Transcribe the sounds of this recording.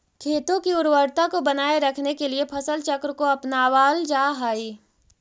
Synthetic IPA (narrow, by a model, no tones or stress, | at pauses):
kʰeːt̪õkiʊɾwəɾt̪akobɐnaːeɾɐkʰnekeliepʰɐsəlt͡ʃɐkɾkoɐpnaʋaːld͡ʒaːɦaːiː